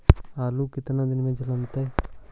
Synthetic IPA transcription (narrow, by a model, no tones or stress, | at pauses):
aːluːkɪt̪nãːd̪ɪnmẽd͡ʒləmt̪eː